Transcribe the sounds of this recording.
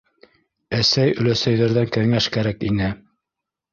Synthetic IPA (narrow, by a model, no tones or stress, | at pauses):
æsæjɵ̆læsæjðæɾðæŋkæŋæʃkæɾækinɘ